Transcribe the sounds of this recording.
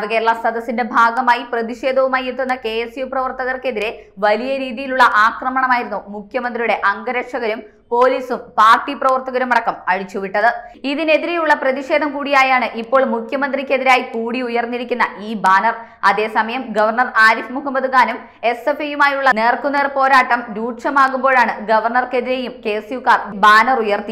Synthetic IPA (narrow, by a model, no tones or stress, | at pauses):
ʋɐɣeɭːɐsɐd̪ɐsinde̞bʱaːɡɐmaːjiprɐðiʂe̞ːd̪ʱɐʋumaːjit̪ːunːɐke̞ːjesjuprɐʋɐrt̪ɐɣɐrke̞ðiɾeʋɐlijɐɾiːðijiluɭːɐʔaːkrɐmɐɳɐmaːjiɾunːumukʰjɐmɐnd̪rijuɽe̞ʔɐŋɡɐɾɐʂɐɣɐɾum | po̞ːliːsumpaːrʈːiprɐʋɐrt̪ɐɣɐɾumɐɽɐkːɐmɐɻit͡ɕːuʋiʈːɐðɨiðine̞ðiɾejuɭːɐprɐðiʂe̞ːd̪ʱɐmkuːɽijaːjaːɳɨʔipːo̞ːɭmukʰjɐmɐnd̪rikʲːe̞ðiɾaːjikuːɽiujɐrnːiɾikʲːunːɐʔiːbaːnɐr | ɐðe̞ːsɐmɐjɐmɡɐʋɐrɳɐraːɾifmuhɐmːɐd̪uɣaːnum | e̞sefɐjumaːjuɭːɐne̞ːrkuneːrpo̞ːɾaːʈːɐmɾuːʈʂɐmaːɣumbo̞ːɭaːɳɨɡɐʋɐrɳɐrke̞ðiɾe̞jumke̞ːsijukːaːrbaːnɐrujɐrt̪i